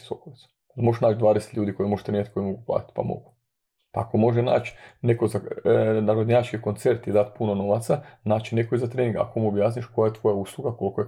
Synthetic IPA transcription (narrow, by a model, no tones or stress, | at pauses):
sokoʋit̪su̥ | mo̞ʒeʃnaːt͡ʃd̪ʋaːd̪ese̥t̪ʎʲuːd̪iko̞jimo̞ʒ̥t̪ɾenjat̪iko̞jimo̞ɡupla̰ːt̪i̥t̪pa̰mo̞̰ɡ̥u̥ | paakomo̞ʒena̰ːt͡ʃne̞ko̞zanaɾod̪ɲat͡ʃkikont̪se̞ɾt̪id̪at̪punono̞ʋat̪sanaːt͡ʃine̞koizat̪ɾeːnĩŋɡa̰komuobjaːsniʃko̞jajet̪ʋo̞jauslˠuɡako̞lkoe